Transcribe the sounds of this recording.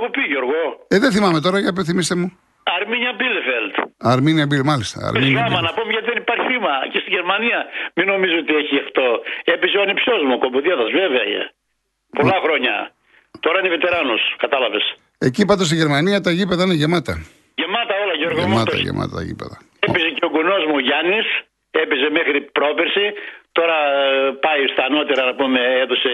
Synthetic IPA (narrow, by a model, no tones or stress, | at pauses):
ɣopiʝoɾɣoeðeθimɐme̞t̪o̞ɾɐjɐpeθimist̪emu | ɐɾmiɲɐbilefelt̪ɐɾminɐbilemɐlist̪ɐ̰ɐ̰ɾmsioɐmɐnɐpomeʝɐt̪iðenipɐɾçiθimɐcest̪iʝeɾmɐniɐmino̞mizot̪ieçiext̪oepisioɐnipsozmukomboðiɐðɐzveveɐjḛ | polɐxɾo̞ɲɐ̰ | t̪oɾɐinevet̪e̞ɾɐnoskɐt̪ɐlɐve̞s | e̞cipɐt̪os̬t̪iʝeɾmɐniɐt̪ɐʝipeðɐineʝemɐt̪ɐ | ʝemɐt̪ɐolɐʝoɾɣommɐt̪ɐ̰ʝḛmʔɐ̰t̪ɐt̪ɐ̰ʝḭpḛðɐ̰ | epizeceoɡunozmuʝɐnis | epezemexɾipɾo̞peɾsit̪o̞ɾɐpɐjst̪ɐːno̞t̪eɾɐnɐpumeeðose